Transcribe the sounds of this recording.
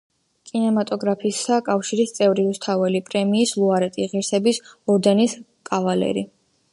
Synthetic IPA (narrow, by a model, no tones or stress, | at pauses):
kʼinɛmat̪ʼɔɡɾapʰisakʼafʃiɾist̪sʼɛvɾiust̪ʰavɛlipʼɾɛmiːslˠuaɾɛt̪ʼiʁiɾsɛbisɔɾd̪ɛnis | kʼavalɛ̰ɾi